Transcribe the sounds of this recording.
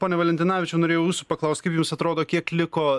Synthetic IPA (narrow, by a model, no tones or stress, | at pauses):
poːnʲɛʋɐlʲɛnʲt̪ʲɪnɑːʋʲɪt͡ʃʲɛʊnoːɾʲeːjɛʊjuːsupɐklˠɐʊst̪ʲkɐɪpjumsɐt̪ɾoːd̪oːkʲiɛklʲɪkoː